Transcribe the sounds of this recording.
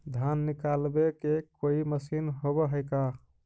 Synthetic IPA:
d̪ʱanːikalbekekoiməsinɦobɔɦəjka

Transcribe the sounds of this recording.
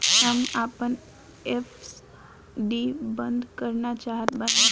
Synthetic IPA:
ɦamapən | efs | ɖibənd̪ʱkəɾnat͡ʃaɦət̪bəna

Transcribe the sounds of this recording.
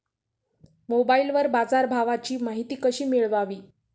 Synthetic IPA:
mobailʋəɾbad͡zaɾbʱaʋat͡ɕiːmaɦit̪iːkəɕiːmiɭʋaʋiː

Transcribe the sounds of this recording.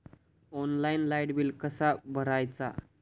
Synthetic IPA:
ɔnlainlajɽbiːlkəsabʱəɾajt͡sa̰

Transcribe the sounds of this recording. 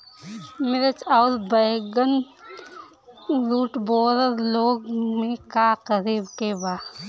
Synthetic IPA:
mɪɾət͡ʃaʊlbɐjɡən | ɾuːʈboːɾəɾloːɡmẽkaqəɾiːbkebaː

